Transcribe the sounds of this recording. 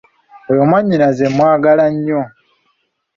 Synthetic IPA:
ojo̞mwaɲːinazemwaːɡalaɲːo

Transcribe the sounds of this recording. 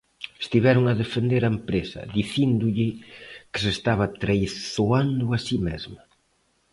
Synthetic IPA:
est̪iβɛɾʊŋɐðefend̪eɾaempɾesɐ̰ðiθind̪ʊʎɪkɪ̥sest̪aβɐt̪ɾejθoand̪ʊasimezmɐ

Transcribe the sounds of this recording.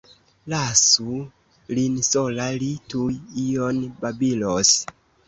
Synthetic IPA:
lasu | linsolalitujijonbabilos

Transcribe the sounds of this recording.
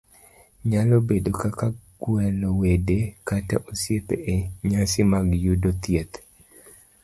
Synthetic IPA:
ɲalɔbedokakaɡ̥wɛlɔwedekata̰ʔosjepḛʔeɲasimaɡjudot̪jet̪

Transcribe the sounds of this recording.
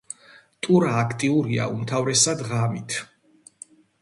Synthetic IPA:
t̪ʼuɾaːkʰt̪ʼiuɾia̰umt̪ʰavɾɛsad̪ʁamit̪ʰ

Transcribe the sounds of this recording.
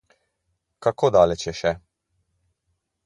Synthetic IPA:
kakoːd̪aːlɛt͡ʃjɛʃɛ

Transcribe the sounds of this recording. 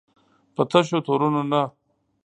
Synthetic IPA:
pɐt̪ʰɐɕot̪ʰoːɾunona

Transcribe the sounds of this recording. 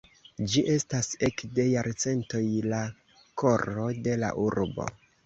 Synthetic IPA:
d͡ʒiʔe̞stase̞kde̞jaɾt͡se̞nto̞jla | ko̞ɾo̞de̞la̰ʔuɾbo̞̰

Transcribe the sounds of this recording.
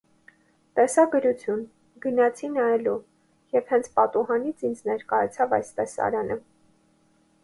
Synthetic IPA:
t̪ɛsɑɡəɾut͡sʰjun | ɡənɑt͡sʰinɑɛlu | jɛvhɛnt͡sʰpɑt̪uɦɑnit͡sʰind͡znɛɾkɑjɑt͡sʰɑvɑjst̪ɛsɑ̰ɾɑnə

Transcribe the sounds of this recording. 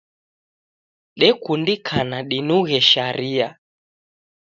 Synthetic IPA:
ɗɛkundikʰanaɗinuɣɛʃaɾia

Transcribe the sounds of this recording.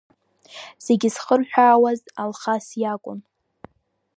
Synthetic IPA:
z̥eɡʲisχərħʷᶣaːwazalχasjakʷʼʊ̰n

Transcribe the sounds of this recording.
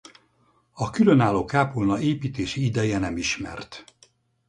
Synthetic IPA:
ɒkylø̞naːlːoːkaːpulnɒeːpiːt̪eːʃiid̪ɛjɛnɛmiʃmɛ̰rt̪

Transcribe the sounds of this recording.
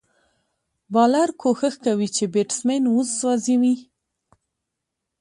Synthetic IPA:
bɑlaɾkʰoxəxkawit͡ʃebeʈsmenuzzwɑziwi

